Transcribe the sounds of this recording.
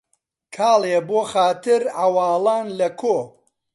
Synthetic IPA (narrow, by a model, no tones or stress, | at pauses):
kʰaːlˠeboːxaːt̪ɨɾʕɐwɑːlˠaːnlɐkʰoː